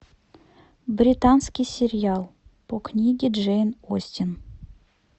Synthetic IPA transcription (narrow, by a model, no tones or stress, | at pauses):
brʲit̪anskʲijsʲɪɾʲɪjalˠpoknʲiɡʲɪʐejnosʲtʲin